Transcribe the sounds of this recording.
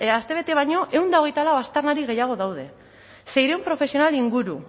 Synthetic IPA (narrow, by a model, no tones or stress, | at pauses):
ast̪e̞β̞e̞t̪e̞βajɲo̞ʔe̞wnd̪ao̞ɣ̞e̞jt̪alawast̪ernaɾiɣe̞jaɣ̞o̞ðawð̞e̞ | se̞jɾeumpɾo̞fe̞sio̞naliŋɡuɾu